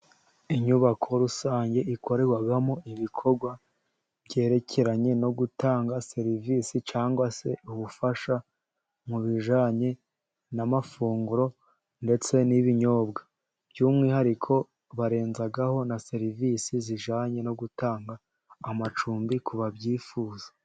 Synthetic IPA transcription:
iɲuβakʰo̞ɾusaːɲɟe̞iko̞ɾe̞ɡwaɡamo̞iβikʰo̞ɾɡwa | bɟe̞ːɾe̞cʰe̞ɾaɲe̞no̞ɡutaːŋɡase̞ɾiviːsit͡ʃaːŋɡwase̞uβufaʃa | muβiʒaːɲe̞ | namafuːŋɡuɾo̞ | nde̞t͡se̞niβiɲo̞ːbɡa | bjuːmŋiːhaɾikʰo̞ | βaɾe̞ːnzaɡaho̞nase̞ɾivisiziʒaːɲe̞no̞ɡutaːŋɡaː | mat͡ʃuːmbikʰuβabɟiːfuːza

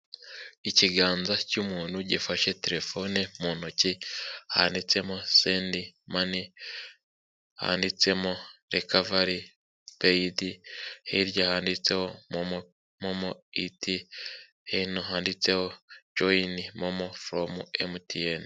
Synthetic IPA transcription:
iciɡaːnzacumuːnhuɟifaʃe̞teɾe̞fo̞nemuːnociha̰ːndit͡se̞moseːndimani | ha̰ːndit͡se̞moɾekavaɾi | peidihiɾjahaːndit͡se̞homomo | momoiti | hinoɦaːndit͡se̞ho̞d͡ʒoinimomofɾomṵḛmutieni

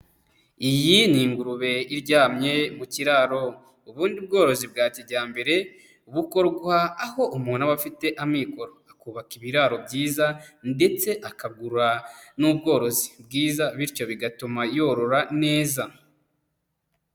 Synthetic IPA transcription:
ijiniːŋɡuɾuβe̞iɾɟaːmɲe̞muciɾaɾo̞ | uβuːndiub̚ɡo̞ːɾo̞zibɡaːciɟaːmbe̞ɾe̞ | uβuko̞ɾɡwaːho̞umuːnaβafite̞ʔamiko̞ɾoakuːβakiβiɾaɾo̞bɟiːzande̞t͡se̞ʔakaɡuɾuɾanubɡo̞ːɾo̞zi̥bɡiːzaβiɾco̞βiɡatumajo̞ɾo̞ɾane̞ːza

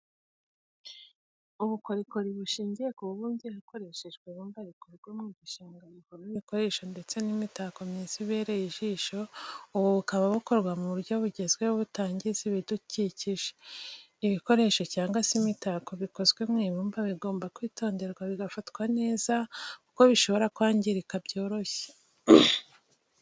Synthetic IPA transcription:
uβuko̞ɾiko̞ɾiβuʃiːɲɟijekuβuβuːndihako̞ɾe̞ʃeʒɡweβuːmbaβikoɾɡwemŋiːɡuʃaːŋɡanukoiiko̞ɾe̞ʃo̞nde̞t͡se̞nimitako̞mɲiːnziβe̞ːɾejiʒiːʃo̞uβuβukaβaβuko̞ɾɡwamuβuɾɟo̞βuɟe̞zɡwe̞oβutaːɲɟiziβiduciːciʒe | iβiko̞ɾe̞ʃo̞caːŋɡasimitako̞βiko̞zɡwemŋiːβuːmbaβiɡo̞ːmbakwiːto̞ːnde̞ɾɡwaβiɡafatkwane̞ːzakuko̞βiʃo̞βo̞ɾakwaːɲɟiɾikabɟo̞ːɾo̞çe̥

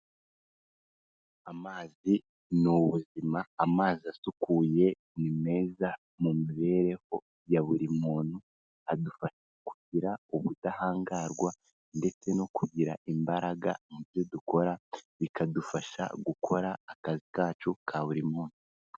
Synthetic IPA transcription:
amaːzi | nuβuzimaːmaːziasukʰuje̞ | nime̞ːza | mumiβe̞ɾe̞ho̞ | jaβuɾimuːn̥hu | adufaʃakuɟiɾauβudahaːŋɡaːɾɡwa | nde̞t͡se̞no̞kuɟiɾaʔimbaɾaɡa̰niβjo̞duko̞ɾaβikadufaʃa̰ɡukʰo̞ɾaːkazikaːt͡ʃukʰaβuɾimuːn̥u

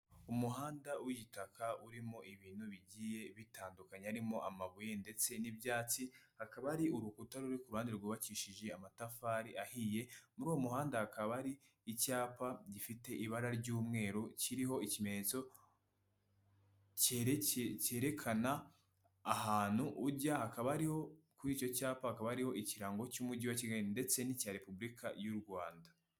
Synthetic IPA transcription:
umuɦaːndawiɟitakauɾimo̞ʔiβiːn̥huβiɟije̞βitaːndukaɲeaɾimo̞ʔamaβujende̞t͡se̞nibjaːt͡sihakaβaɾiʔuɾukutaɾuɾikuɾuhaːndeɾɡuːβakiːʃid͡ʒe̞amatafaːɾiʔahije̞muɾuːwomuɦaːndahakʰaβaɾiː | caːpaɟifite̞ʔiβaɾaɾɟuːmŋe̞ːɾociɾiɦo̞icime̞ɲet͡so̞ | c | ce̞ːɾe̞kʰanaː | haːn̥huʔːɾɟahakaβaaɾiho̞kuɾiːt͡ʃo̞caːpahakaβaaɾiho̞ʔiciɾaːŋɡo̞cumudɟiwaciɡainde̞t͡se̞nicaɾe̞pubɾikʰa̰juɾɡwaːnda

